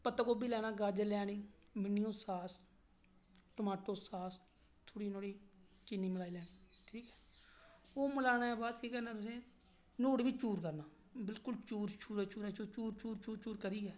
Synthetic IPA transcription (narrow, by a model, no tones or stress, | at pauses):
pət̪ːakoːbiːlɛːnaːɡaːd͡ʒəlɛːniːmɪnːiõːsaːs | ʈəmaːʈoːsaːs | t̪ʰoːɽiːnoːɽiː | t͡ʃɪnːiːməlaːiːlɛːniːʈʰiːkɛ̥ː | oːməlaːnaːɛːbaːt̪kiːkənãːt̪ʊsẽː | noːɽʋiːt͡ʃuːɾkəɾnaː | bɪlkʊlt͡ʃuːɾt͡ʃuːɾɛːt͡ʃuːɾɛːt͡ʃuːt͡ʃuːɾt͡ʃuːɾt͡ʃuːɾt͡ʃuːɾkəɾiːɛː